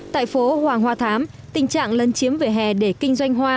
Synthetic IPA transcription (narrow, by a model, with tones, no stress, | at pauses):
t̪a̰ː˧˨jfo˨˦hwaː˨˩ŋɦwaː˧t̪ʰaː˨˦m | t̪ï˨˩ŋ̟t͡ɕa̰ː˧˨ŋlə˨˦nt͡ɕi˨˦əmvə˨˩ɦɛ˨˩ɗe˧˩kï˧ŋ̟zwa˧jŋ̟ɦwaː˧